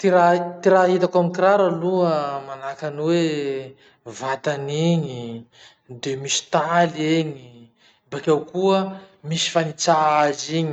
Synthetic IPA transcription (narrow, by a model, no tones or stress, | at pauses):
t̪iɾat̪iɾaɦit̪akamikiɾaɾaluəmanakanwe | vat̪aniɲi | d̪emisi̥t̪aleɲi | bakʲawkuə | misi̥fanit͡saaziɲi